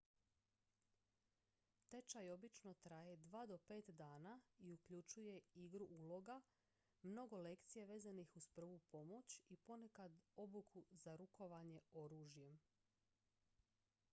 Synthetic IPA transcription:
t̪e̞t͡ʃajo̞bit͡ʃno̞t̪ɾaje̞d̪ʋaːd̪o̞pe̞ːt̪d̪aːnaiukʎut͡ʃuje̞iɡɾuʔuːlo̞ɡa | mno̞ɡo̞le̞kt̪sije̞ʋe̞ːzanixuz̥pr̩ʋupo̞mo̞t͡ɕipo̞ne̞kad̪o̞bukʰuzaɾuko̞ʋaɲe̞o̞ɾuːʒje̞m

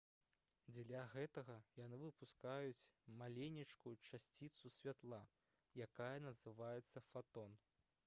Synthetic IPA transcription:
d͡zʲlʲaɣɛt̪ɐɣɐjanɨvɨpuskajut͡sʲmalʲenʲit͡ʂkujut͡ʂasʲt͡sʲit̪susʲvʲat̪lˠa | jakajɐnɐzɨvajɛt̪sːɐfat̪ɔn

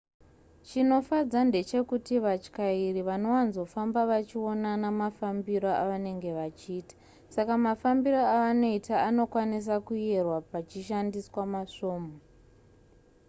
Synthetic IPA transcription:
t͡ʃino̞fad͡zande̞t͡ʃe̞kutiʋat͡ʃkairiʋano̞wanzo̞fambaʋat͡ʃio̞nanamafambiɾoʔa̰ʋane̞ŋɡe̞ʋat͡ʃiːtḁ | sakamafambiɾoaano̞itʰaːno̞kwanis̬akuerwapat͡ʃiʃandiswamaʂo̞ːmo

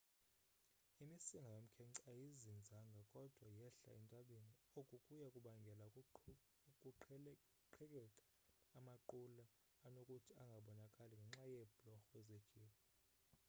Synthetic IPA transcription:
imisiŋɡʱawem̩kʰɛǀajizind͡zʱaŋɡʱakʼɔd̥ʱwajɛɬa̰ɛntʼaɓeniokʼukʼujakʼuɓaŋɡʱɛla | kʼuǃʰ | ǃʰɛkʼɛkʼḁː | maǃulaː | nokʼutʰiaŋɡʱaɓɔnakʼaliŋɡʱɛŋ͡ǁajɛb̥lɔxɔɛzekʰiːpʰɔ

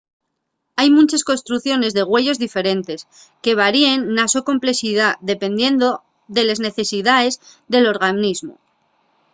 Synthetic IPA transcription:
ajmũnt͡ʃesko̞nst̪ɾuθjo̞ne̞zðe̞ɣwe̞ʝo̞zðife̞ɾe̞nt̪e̞s | ke̞β̞aɾie̞nːaso̞ko̞mple̞siðaðe̞pe̞nd̪je̞nd̪o̞ | ðe̞le̞zne̞θe̞siðae̞zðe̞lo̞ɾɣ̞anizmo̰

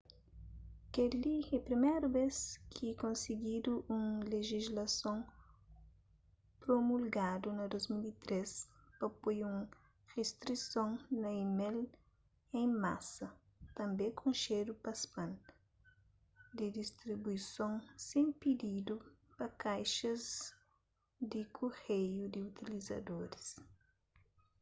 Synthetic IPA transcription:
keliepɾimejɾubeskʰikõnseɡid̪uʔũŋleʒizlɐsõŋ | pɾomulɡad̪unɐd̪ozmilit̪ɾespɐpojũŋ | ʁest̪ɾisõŋnɐimel | ẽŋma̰sɐ | t̪ɐ̃mbẽkũnʃedupɐspɐ̃n | d̪id̪ist̪ɾibujsõŋsẽŋpid̪id̪upɐkajʃɐz | d̪ikʰohejud̪iut̪ilizɐ̰d̪oɾis

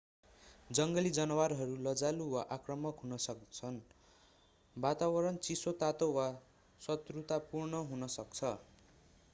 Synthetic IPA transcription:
d͡zʌŋɡʌlid͡zʌnʌwaɾɦʌɾulʌd͡zaluwaʔakrʌmʌkɦunʌsʌkt͡sʰʌn | bat̪aβʌɾʌnt͡sisot̪at̪owa | sʌt̪rut̪apurnʌɦunʌsʌkt͡sʰʌ

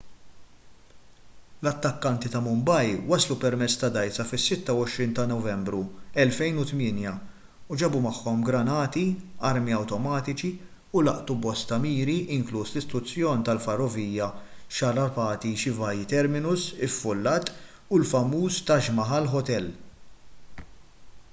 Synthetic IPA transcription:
lɐt̪ːɐkːɐnt̪it̪ɐmʊmbɐjwɐslupɛɾmɛt͡sːt̪ɐd̪ɐjt͡sɐfɪsːɪt̪ːɐwɔʃɾiːnt̪ɐnɔvɛmbɾuɛlfɛjnut̪mɪːnjɐ | ud͡ʒɛbumɐħːɔmɡɾɐnɐːt̪iɐɾmiɐwt̪ɔmɐːt̪ɪt͡ʃi | ʊlɐʔt̪ubɔst̪ɐmiːɾiʔɪŋkluːslɪst̪ɾʊt͡sːjɔːnt̪ɐlfɐrːɔviːjɐʃɐɾɐpɐːt̪iʃɪvɐjt̪ɛɾmɪnʊsɪfːʊlːɐːt̪ː | ʊlfɐmːuːst̪ɐʒmɐħɐlħɔt̪ɛlː

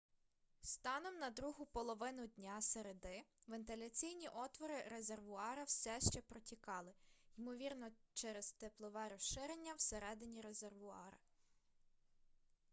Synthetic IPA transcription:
st̪ɑnɔmnɐd̪ɾuɦʊpɔlˠɔʋɪnʊdʲnʲaseɾed̪ɪʋent̪ɪlʲɐt͡sʲijnʲiʔɔt̪ʋɔɾɪɾeze̞rʋʊɑɾɐwsɛʃt͡ʃɛpɾɔtʲikɑlˠɪjmɔʋʲirnɔt͡ʃɛɾɛzt̪ɪplˠɔʋɛɾɔʃɪɾenʲːɐwseɾɛd̪ɪnʲiɾezerʋʊɑ̰ɾɐ̰

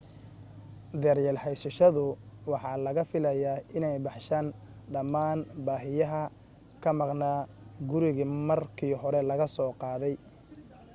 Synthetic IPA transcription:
d̪ɛːrjɛːlħɛjsɐʃɐðʊwɑħɑːlɐɣɐfɪlɐjaːɪnɛjbɑħʃaːn | ɖɐmːaːnbaːɦɪjɐɦɐ | kʰɐmɑqnaː | ɡʊɾɪɣiːmɐrkʰiːɦɔɾɛlɐɣɐsɔːqɑːðɛj

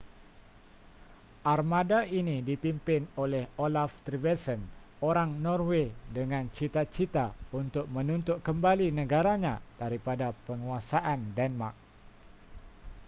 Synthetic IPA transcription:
ʔarmadaʔinidipimpɪnolɛholaft̪ɾivɛsən | oɾaŋnɔrwedəŋant͡ʃit̪at͡ʃit̪aunt̪ʊk̚mənunt̪ʊʔ̚kəmbalinəɡaɾaɲad̥aɾipadapəŋuasaʔandɛnma̰rk̚

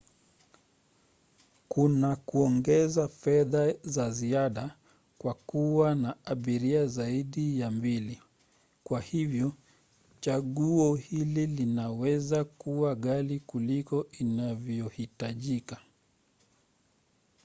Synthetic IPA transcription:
kunakuɔŋɡɛzafɛðazaziaɗa | kwakuwanaaɓiɾiazaiɗijambili | kwahivjɔ | t͡ʃaɠuɔhililinawɛzakuwaɠalikulikɔʔinavjjɔhitaʄika

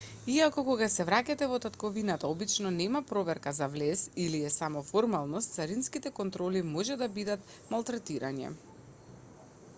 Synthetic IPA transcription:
iakɔkoɡasɛvɾacat̪ɛvɔt̪at̪kɔvinat̪aɔbit͡ʃnɔnɛmapɾɔvɛɾkazavlɛsiliɛsamɔfɔɾmalˠnɔst̪saɾinskit̪ɛkɔnt̪ɾɔlimɔʒɛd̪abid̪at̪ | malˠt̪ɾɛt̪iɾa̰ɲɛ̰

